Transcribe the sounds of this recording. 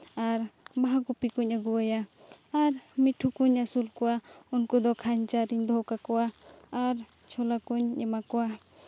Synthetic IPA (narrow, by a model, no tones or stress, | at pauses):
aɾbaɦakupikuɲaɡuajaaɾmiʈʰukuɲasulkɔwaunkɔd̪ɔkʰaɲt͡ʃaɾiɲd̪ʱɔwkakɔwaːɾ | t͡ʃʰɔlakuɲɛmakɔwa